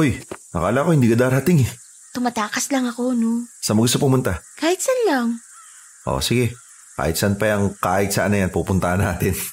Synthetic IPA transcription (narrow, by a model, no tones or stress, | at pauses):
ʔojnɐkaːlaʔko̞hɪnd̪iːkɐd̪aːɾɐhɐt̪ɪŋɛ | t̪ʊmat̪aːkɐslɐŋɐko̞nosɐmɐɡʊs̬t̪opʊmʊnt̪akaːhɪt̪sɐnlɐŋ | ʔo̰sɪɡɛ | ka̰ːhɪt̪sɐnpɐjɐŋkaːhɪt̪sɐ̰ʔɐnɐjanpupʊnt̪ahɐnːaːt̪ɪn